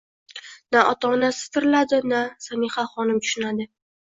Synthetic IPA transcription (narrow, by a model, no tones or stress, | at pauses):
naʔɒt̪ʰaɒnasɪ̥z̥t̪ʰɪɾɪlad̪ɪnasamiχaχɒnɪmt̪ʰʊ̥ʃɪnad̪ɪ